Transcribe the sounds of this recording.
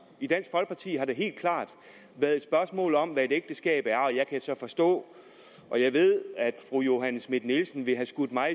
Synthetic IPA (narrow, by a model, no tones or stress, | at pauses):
id̥æn̰sɡ̥fɒ̽lɡ̥pʰɑ̈t͡sʰḭːɦɑ̈ɾe̝ɦe̝̰ːld̥kʰlɑ̈ːd̥ | ʋæɐð̩ˠe̝d̥sb̥ɶɐsmɔ̰̽ːlɒ̽mʋæe̝d̥eɡ̥̚d̥əsɡ̥ɛ̰ːb̥æɐɒ̽jɑ̈ɪkʰæsɒ̽fɒ̽sd̥ɔ̰̽ː | ʔɒ̽jɑ̈ɪʋe̝ð̞̰ˠæd̥fʁujo̝ɦænsmed̥nilsn̩ʋe̝ɦæsɡ̥ud̥ˠmɑ̈ɪ